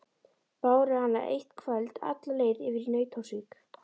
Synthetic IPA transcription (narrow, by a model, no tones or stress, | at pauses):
paːwɾɪhanːaʔḛjht̪kʰvœlt̪a̰t̪laleːjðɪvɪɾnœːɥt̪ʰosik